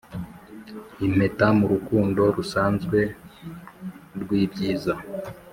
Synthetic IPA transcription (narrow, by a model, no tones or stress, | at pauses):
im̥he̞tamuɾukuːndo̞ɾusaːnzɡwe̞ | ɾɡwiːbɟiːza